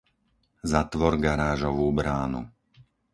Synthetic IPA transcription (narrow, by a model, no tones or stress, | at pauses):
zat̪ʋɔɾɡaɾaːʒɔʋuːbɾaːnṵ